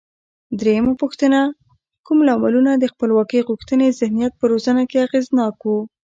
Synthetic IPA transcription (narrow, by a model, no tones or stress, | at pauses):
d̪ɾejəmapuxt̪əna | kumlɑmalunad̪əxpəlwɑkəjɣuxt̪ənezɪhnijat̪̚pəɾozənakeaɣeznɑkwu